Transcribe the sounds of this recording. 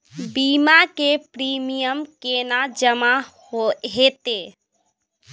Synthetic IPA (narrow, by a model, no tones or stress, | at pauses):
biːmakepɾiːmijəmkeːnad͡ʒəmahoet̪eː